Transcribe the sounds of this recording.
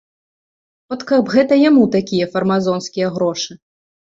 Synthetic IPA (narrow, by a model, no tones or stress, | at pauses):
ɔt̪kɐbɣɛt̪ɐjamut̪akʲijɐfɐrmazɔnskʲijɐɣɾɔʂɨ